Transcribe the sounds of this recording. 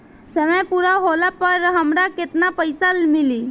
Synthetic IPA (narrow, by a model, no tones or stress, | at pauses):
səmə̃jpuɾaɦolapəɾɦəmɾakɪt̪napəjsalmɪliː